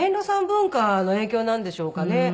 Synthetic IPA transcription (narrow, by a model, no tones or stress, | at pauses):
ẽnɾo̞sãmbɯ̟̃ŋkano̞e̞ːkʲo̞ːnãnd̪e̞ɕo̞ːkane